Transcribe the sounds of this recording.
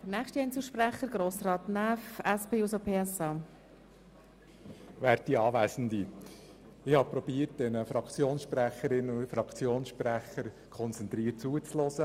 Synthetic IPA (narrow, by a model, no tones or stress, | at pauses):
d̥ənæːχʃtiɛɪnt͡suːʃpræχəɾɡ̥ɾoːsrɑːt̪næːfɛspeːusopʰeːɛsɑː | ʋæːɾtdiɑːʋæːsn̩d̪i | ɪhɑːpɾɔb̥iːəɾt̚dɛnəfɾɑkt͡sjoːnsʃpɾæχəɾɪnʊfɾɑkt͡sjoːnsʃpɾæχəɾ | kʰɔnt͡sɛnt̪ɾiːət̚t͡suət͡slɔsə